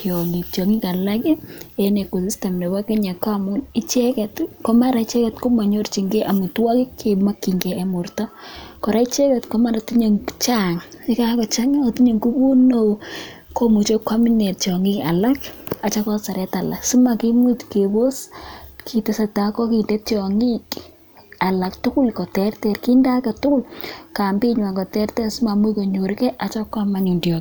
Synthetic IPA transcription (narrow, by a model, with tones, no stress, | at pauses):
t͡ʃjɔ˨ŋi˨t͡ʃɔ˨ŋi˦ka˨la˦ke˦ene˨ko˨si˦ste˨mne˨ba˦ke˦ɲa˨kamu˦ni˦t͡ʃɛ˦kɛ˨tkɔ˦ma˦ɾa˨i˦t͡ʃɛ˦kɛ˨tko˦ma˨ɲo˦rt͡ʃi˨ŋɡe˦ʔa˨mu˨twa˦kɪ˦kʰːema˦kːi˨ŋɡeː˨mu˨rtɔ˦kɔ˨ɾa˦i˦t͡ʃɛ˦kɛ˨tkɔma˦ɾa˨ti˦ɲe˨ŋt͡ʃa˦ŋi˦ka˦kɔ˨t͡ʃa˦ŋa˦o˨ti˦ɲe˨ŋku˦bu˦no | ko˦mu˨t͡ʃo˦kwa˦mi˦ne˨ttjɔ˨ŋi˦ka̰˨la˦ka˨t͡ʃa˦kɔ˦sa˨ɾɛ˦ta˨la̰˨ksu˦ma˨ki˦mi˦tkebo˦skʰi˨te˨sa˨ta˦kɔ˦ki˨nde˦tjɔ˨ŋi˦k | a˨la˨k̚tʊ˦kʊ˦lkɔ˨tɛrtɛ˨rki˦nda˦ka˨tʊ˦kʊ˦lka˨mbi˦ɲwa˨kɔ˨tɛ˦rtɛ˦su˦ma˨mwi˦ko˨ɲo˨ɾke˦ʔa˨t͡ʃɔ˦kwa˦ma˨ɲu˨ndjɔ˨k